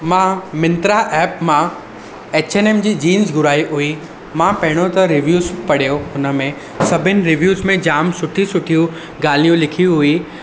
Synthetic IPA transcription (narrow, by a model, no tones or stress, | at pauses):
mãmɪ̃nt̪ɾaʔɛːpmã | eːt͡ɕeːneːmd͡ʑiːd͡ʑiːnzɡʱʊɾaːiɦʊi | mãpɐɦɪɽ̃ot̪ɐɾɪʋjuːzpɐɽ̤ijoɦʊnə̆mẽ | sɐbʱɪnɪ̆ɾɪʋjuːzmẽd͡ʑaːmsʊʈʰisʊʈʰijũ | ɡaːlijũlɪkʰijũɦʊi